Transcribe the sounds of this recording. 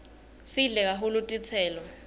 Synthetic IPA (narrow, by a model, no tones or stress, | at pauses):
siɮɛk̬aɦulutʼit͡sʰɛːlɔ